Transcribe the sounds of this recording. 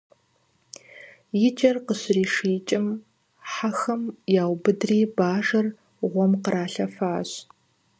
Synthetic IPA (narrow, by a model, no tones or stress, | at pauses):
jɪt͡ʃʼɐrqəɕriːʂiːt͡ʃʼɪm | ħaxɐmjaːwbɨdriːbaːʒɐr | ʁʷɔmqəɾaːɬɐfaːɕ